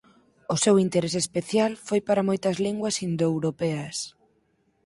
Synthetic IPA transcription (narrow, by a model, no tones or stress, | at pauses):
ʊsewint̪eɾesespeθjalfojpaɾɐmojt̪ɐzliŋɡwɐsind̪oewɾopeɐs